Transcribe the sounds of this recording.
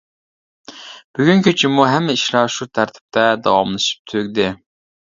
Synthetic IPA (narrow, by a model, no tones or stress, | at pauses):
b̥yɡʲyŋkʲʰyt͡ʃʰimuɦɛmːɪiʃlˠɑʃut̪ʰæɾt̪ʰɪ̥p̚t̪ʰɛd̪ɑwɑmlˠɨʃi̥p̚t̪ʰøɡʲd̪ɪ